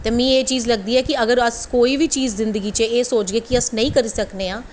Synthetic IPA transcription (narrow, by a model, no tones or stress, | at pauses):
t̪eːmĩːeːt͡ʃiːzləɡ̚d̪iːɛːkiəɡəɾəskoːiːʋiːt͡ʃiːzːɪ̃nd̪əɡiːt͡ʃeeːsoːt͡ʃɡeːkiəsnəĩːkəɾiːsəkneːãː